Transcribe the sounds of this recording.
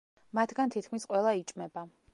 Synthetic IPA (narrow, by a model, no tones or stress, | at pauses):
mat̪ʰɡant̪ʰit̪̚ʰkʰmisqʼwɛlˠait͡ʃʼmɛba